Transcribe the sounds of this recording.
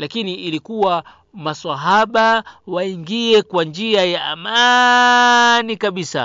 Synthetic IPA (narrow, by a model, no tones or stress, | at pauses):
lakiniːlikuwa | maswaɦaɓawaiŋɡiɛkwand͡ʒiajaːma | nikaɓisa̰